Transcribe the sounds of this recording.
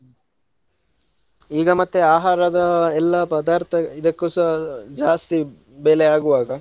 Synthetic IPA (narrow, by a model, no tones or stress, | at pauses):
iːɡɐmɐt̪ːeaːɦaːɾɐd̪ɐɛlːɐpɐd̪aːɾt̪ʰɐid̪ɐkːoːsɐd͡ʒaːst̪i | beːleaːɡuʋaːɡɐ